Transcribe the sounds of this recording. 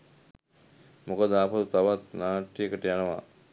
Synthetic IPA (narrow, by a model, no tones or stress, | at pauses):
mokəd̪əapəd̪ut̪aʋat̪naːʈːijəkəʈəjanəʋa̰